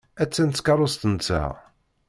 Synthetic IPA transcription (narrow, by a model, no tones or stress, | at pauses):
æt͡sːænt̪skɑɾˤost̪ənt͡sːæ̰